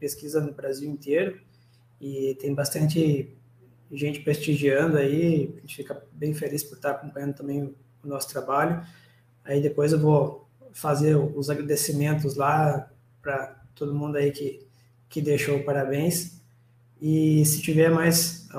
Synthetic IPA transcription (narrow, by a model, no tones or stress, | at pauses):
peskizɐnʊbɾaziwẽnt̪eɾʊ | ɪt̪ẽj̃bast̪ɐ̃nt̪ɪ | ʒẽnt͡ʃɪ̥pɾest͡ʃiʒiɐ̃nd̪ʊaiʒẽnt͡ʃɪ̥fikɐbẽj̃felispʊɾt̪aɾakõpɐ̃jɐ̃ndʊt̪ɐ̃mbẽj̃ʊ | ʊnɔsʊ̥t̪ɾabaʎʊ | aid̪epojzewvo | fazeɾʊʊzaɡɾad̪esimẽnt̪ʊzla | pɾɐt̪od̪ʊmũnd̪ʊaikɪ | kɪd̪eʃowpaɾabẽj̃s | ɪsɪt͡ʃivɛɾmajs